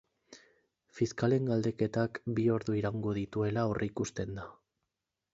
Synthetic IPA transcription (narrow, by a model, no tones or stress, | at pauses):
fiskale̞ŋɡald̪e̞ke̞t̪akbio̞ɾðuiɾaŋɡo̞ð̞it̪ue̞lao̞rʔikust̪e̞nd̪a